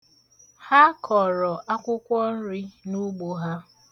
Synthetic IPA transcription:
ha˦kʰɔ˨ɾɔ˨ʔa˦kʷʊ˦kʷɔ˦n̩˦ɾi˦nu˦ɡ͡bo˦ɦa˦

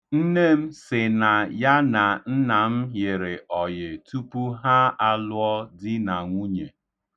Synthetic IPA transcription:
n̩˦ne˦˨m̩˦sɪ˨na˨ja˦na˨n̩˦na˨m̩˦ɦɪ˨ɾɪ˨ʔɔ˨jɪ˨tu˦pu˦ɦa˦a˦lʊ˦ɔ˦dɪ˦na˨ŋʷu˦ɲe˨

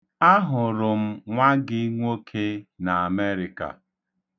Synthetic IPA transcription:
a˦ɦʊ˨ɾʊ˨m̩˦ŋʷa˦ɡɪ˦ŋʷo˦kʰe˦na˨a˨me˦ɾɪ˨ka̰˨

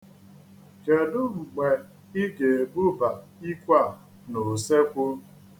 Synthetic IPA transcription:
ke˨dʊ˦ŋ͡m̩˨ɡ͡be˨ | i˦ɡe˨bu˦ba˨i˦kʷa˦˨ | nʊ˨se˦kʷʊ˦

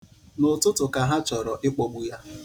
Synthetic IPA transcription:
nʊ˨tʊ˦tʊ˨ka˨ɦa˦t͡ʃɔ˨ɾɔ˨ʔɪ˦k͡pɔ˨ɡ͡bu˦ja˦

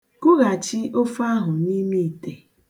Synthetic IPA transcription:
kʊ˦ɣa˨t͡ʃɪ˦ʔo˦fa˦ɦʊ˨ni˦mi˦i˨te˨

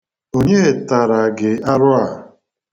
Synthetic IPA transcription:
o˦ɲe˦˨ta˨ɾa˨ɡɪ˨a˦ɾʊ˦a˨

